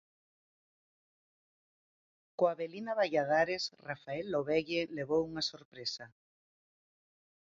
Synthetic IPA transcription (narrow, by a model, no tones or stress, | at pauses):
koaβelinaβajaðaɾesrafaelːoβɛʎeleβowuŋasoɾpɾesa